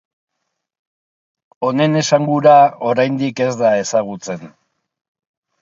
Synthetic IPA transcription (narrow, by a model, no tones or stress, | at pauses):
o̞ne̞ne̞saŋɡuɾao̞ɾajnd̪ike̞zd̪ae̞saɣ̞ut͡se̞n